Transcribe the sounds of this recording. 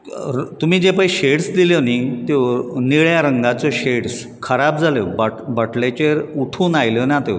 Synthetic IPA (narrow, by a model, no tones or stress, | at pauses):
ɾt̪um̤iːd͡ʑepaiɕeɽsd̪ilənit̪eʋniɭjaɾəŋɡat͡sɔɕeɽs | kʰəɾab̚d͡zʱaləbaʈbəʈlet͡ɕeɾuʈʰuːnajlənat̪eʋ